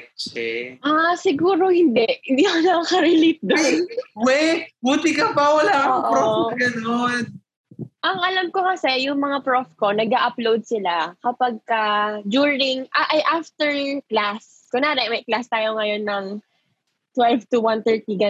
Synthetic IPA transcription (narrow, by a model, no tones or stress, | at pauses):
t͡ʃɛʔasɪɡuːɾo̞hɪnd̪ɛʔhd̪ikonɐkakɐɾɪlit̪̚d̪onwɛbuːt̪ɪkɐpɐwɐlaːʔɐoːʔofɡɐnon | ʔɐŋɐlɐmko̞kɐsɛjʊŋmɐŋapɹofko̞nɐɡaʔɐplowd̪̚sɪlakɐpɐɡ̚kɐd͡ʒuɹɪŋʔaʔɐjʔaft̪ɛɹklas | kʊnaːɾɛmɐjklast̪aːjoŋɐjo̞nːɐŋ | t̪wɛlvt̪uwant̪ɛɹt̪iɡɐ